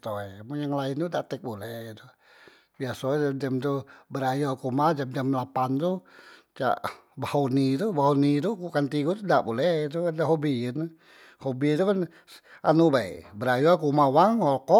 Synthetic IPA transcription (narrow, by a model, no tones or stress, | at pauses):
t̪oɛmujaŋlaint̪udaʔt̪ɛk̚bolɛht̪u | biasodɛdɛmt̪ubəɾajuakumad͡ʒamd͡ʒamlapant̪ut͡ʃa̰ʔ | bahonit̪ubaɦonit̪̬ukukant̪ikut̪udaʔbolɛht̪̬ukandaɦobin | hobit̪ukan | anubaḭbəɾajuakumawaŋɔlkɔ